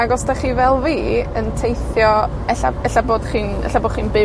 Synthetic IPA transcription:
aɡɔsd̥aχiːvɛlˠviːəntʰejθjɔ | ɛɬa̰ɛɬaboːd̥χiːnɛ̰ɬaboːd̥χiːnbɪ

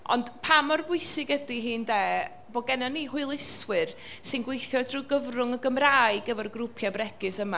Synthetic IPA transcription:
ɔ̰nd̥pʰamɔrɡwʊɨsɪɡədiɦiːndeː | bɔɡɛnanːiːhʊɨlˠɪswɨr | sɪnɡwejθjɔdrʊɡəvrʊŋəɡəmraːɨɡəvɛrɡrʊpʰjabrɛɡ̥ɨsəma

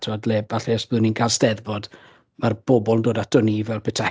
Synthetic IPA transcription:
tʰadleːbaɬɛəsb̥ðɨninkʰaːlˠstɛðbɔd | marb̥ɔbɔlˠndoːdatdɔnivɛlˠpʰɪtʰa

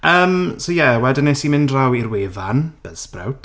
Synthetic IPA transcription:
ʔəːmsowjɛwɛdɪnesimɪndrawirweːvanb̥əðsprɛ̰wtʰ

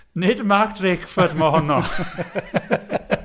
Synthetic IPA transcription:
nɪdmaktʰrɪkfədməhɔnɔ

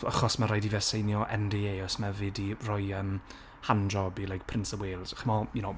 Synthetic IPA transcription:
a̰χɔsmaɾajdivɛsejnjɔʔɛ̰ndieːɔsmavɪdirɔjəːm | hand͡ʒɔbilˠajk̚pʰrɪntsəweːlˠz̥χɪmɔjunow

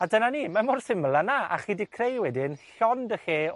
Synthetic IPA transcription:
adənaniːmamʊrsɪmlˠanaa̰χiːdɪkʰrejwɛdɪnɬɔndəxeː

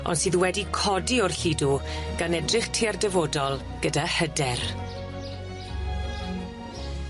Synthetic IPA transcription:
ɔ̰nsiːðuwɛdikʰɔdiɔrɬiduɡ̥anɛdrɪχtʰiːardɛvodɔlˠ | ɡ̥ədahədɛr

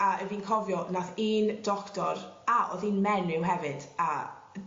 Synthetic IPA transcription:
aəviːnkʰɔvjɔnaθiːndɔktɔɾaʔɔ̰ðinmɛnɪwɦɛvɨd̥a

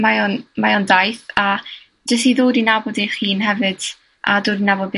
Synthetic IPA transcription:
majoːnmajɔndajθa | d͡ʒəs̬tiðoːdinabɔdiχiːnhɛvɨd̥ | ʔadoːdinabɔd̚b

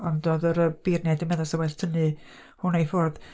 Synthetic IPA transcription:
ɔndɔðəɾəb̥irnjɛdəmɛðɔsawɛɬtʰənɨ | hʊnejfɔrð

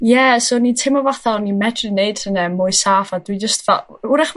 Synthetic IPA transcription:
jɛsoːnitʰɪmɔvaθanimɛdrɨneɨd̥hənɛmʊɨsaːfad̥wid͡ʒəstvɛ̰lˠʊɾaχ

